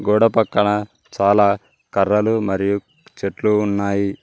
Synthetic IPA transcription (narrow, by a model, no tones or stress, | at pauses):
ɡuːɽɐpɐkːɐɳɐ | t͡ʃaːlaː | kɐrːɐlumɐɾiju | t͡ʃeʈluːnːaːji